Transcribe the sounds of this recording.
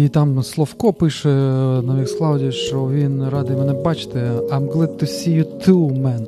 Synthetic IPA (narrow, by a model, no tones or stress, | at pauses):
it̪ɑmslˠɔfkɔpɪʃɛnɐʋʲixsklˠɑwdʲiʃt͡ʃɔʋʲinɾɑd̪ɪmɛnɛbɑt͡ʃɪ̥t̪ɛajmɡlˠɛd̪̚t̪ʊsʲijʊt̪ʰumɛn